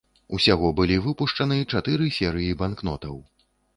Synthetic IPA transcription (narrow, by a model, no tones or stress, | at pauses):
usʲaɣɔbɨlʲivɨpuʂt͡ʂɐnɨt͡ʂat̪ɨɾɨsʲɛɾɨjibankn̪ɔt̪ɐw